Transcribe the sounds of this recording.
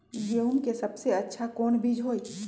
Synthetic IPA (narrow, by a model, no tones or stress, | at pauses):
jeumkesɐbseɐtːʃʰakoːnbʱid͡ʒɦoːi